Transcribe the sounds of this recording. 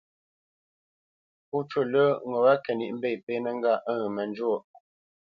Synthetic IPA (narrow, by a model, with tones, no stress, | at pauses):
pu˦t͡ʃwə˦˨lə˦ŋo˨wa˦kɛ˨ni˨ʔm̩˦be˦˨pe˦nə˦˨ŋ˦ɡa˦˨ʔə˦ɣmə˨n˦d͡ʒwo˦˨ʔ